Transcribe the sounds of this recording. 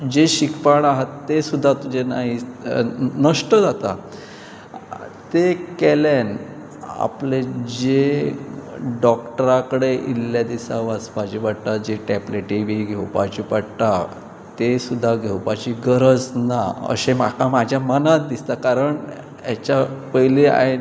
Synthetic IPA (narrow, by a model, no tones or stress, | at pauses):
d͡ʑeɕikpaɽ̃aɦat̪ːesud̪ʱːat̪ud͡ʑena̰ɦi | nəʂʈəd͡zat̪a | t̪ekɛlen | a̰pled͡ʑe | ɖɔkʈəɾakəɽeʔilːjad̪isaʋaspad͡ʑiʋaɽt̪ad͡ʑeʈɛpleʈibiɡʱewpad͡ʑipaɽt̪a | t̪esud̪ʱːaɡʱewpat͡ɕiɡəɾəd͡znaə̰ɕemakãmad͡ʑʱjamənat̪̚d̪ist̪akaɾəɳ | ɛt͡ɕapəjlea̰e